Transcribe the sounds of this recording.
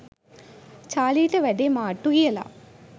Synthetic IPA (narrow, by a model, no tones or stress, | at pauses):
t͡ʃaːliːʈɐʋɐɖemaːʈːuɡiɛla̰